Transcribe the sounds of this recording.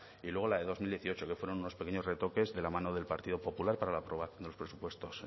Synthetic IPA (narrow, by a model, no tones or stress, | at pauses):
ilweɣolaðe̞ðo̞zmild̪jeθio̞t͡ʃo̞ke̞fwe̞ɾo̞nunospeke̞ɲo̞zre̞t̪o̞ke̞zðe̞lamãnoðe̞lpaɾt̪iðo̞po̞pulaɾpaɾalaːpɾo̞βaθjond̪eospɾe̞supwe̞st̪o̞s